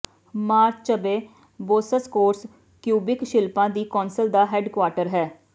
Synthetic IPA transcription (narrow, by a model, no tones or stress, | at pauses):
maːɾt͡ʃt͡ʃəbeː | boːsəskoːɾs | kjuːbɪkʃɪlpãːd̪iːkɔːnsəld̪aːɦɛːɖkwaːɾʈəɾɦɛː